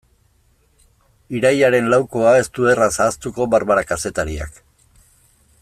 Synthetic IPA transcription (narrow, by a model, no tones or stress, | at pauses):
iɾajaɾe̞nlawko̞ae̞st̪ue̞rasaːst̪uko̞βaɾβaɾakase̞t̪aɾia̰k